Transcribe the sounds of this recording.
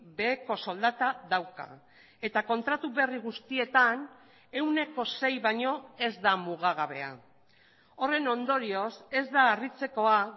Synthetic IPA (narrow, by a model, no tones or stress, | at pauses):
be̞ːko̞so̞ld̪at̪aðawka̰ | e̞t̪ako̞nt̪ɾat̪uβe̞riɣ̞ust̪ie̞t̪an | e̞wne̞ko̞se̞jβaɲo̞e̞zd̪amuɣ̞aɣ̞aβe̞a̰ | o̞re̞no̞nd̪o̞ɾio̞se̞zd̪aːrit͡se̞ko̞a